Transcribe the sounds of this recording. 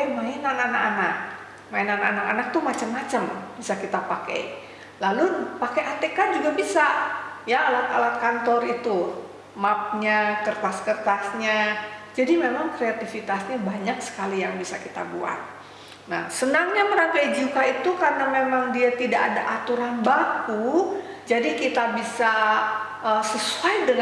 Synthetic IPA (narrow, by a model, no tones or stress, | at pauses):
mainananakanak̚ | mainanaanakanak̚t̪umat͡ʃəmːat͡ʃəmb̥isakit̪apakḛj | lalupakeat̪ekad͡ʒuɡabisajaːlat̪alat̪̚kant̪ɔrit̪u | map̚ɲakərt̪askərt̪asɲad͡ʒadimemaŋkɾeat̪ifit̪asɲabaɲaksə̥kalijaŋbisa̰kit̪a̰bṵa̰t̪̚ | na̰hsənaŋɲaməɾaɡaid͡ʒikait̪ukarnamemaŋdiat̪idaʔada̰ʔat̪uɾanbakud͡ʒadikit̪abisa | əsəsuajdəŋ